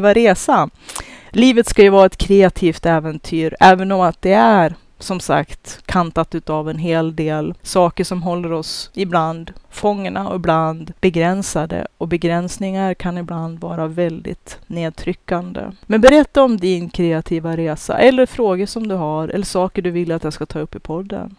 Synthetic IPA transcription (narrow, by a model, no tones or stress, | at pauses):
vaɾeːsa | liːvət̪skajɵvɑːɾaɛt̪kʰɾɛat̪ʰiːft̪ɛːvɛnt̪ʰyːɾɛːvənɔmat̪̚d̪ɛæɾ | sɔmsa̰kt̪kʰant̪at̪ʉ̟ːt̪avɛnɦeːld̪eːlsɑːkəʂɔmɦɔlːəɾɔsɪbland̪fɔŋːəɳaɔ̰bland̪b̥ɛɡɾɛnsad̪ə̰ɔbɛɡɾɛnsnɪŋaɾkʰanɪbland̪vɑːɾavɛld̪ɪ̰t̪neːd̪̚t̪ʰɾʏkːand̪ə̰mɛnbɛɾɛt̪ːaɔmd̪ɪnkʰɾɛat̪ʰiːvaɾeːsa̰ʔɛlːəɾfɾoːɡəʂɔmd̪ɵɦaɾɛ̰lːəʂɑːkəɖɵvɪlːat̪jaskat̪ʰɑːɵpːɪpʰɔd̪ːə̰n